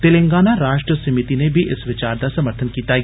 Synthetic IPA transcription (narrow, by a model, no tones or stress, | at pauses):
t̪ɪlẽŋɡaːnaɾaːʃʈɾəsɐmɪt̪inebʱiʔɪsʋɪt͡ʃaːɾd̪asɐməɾt̪ʰənkiːt̪a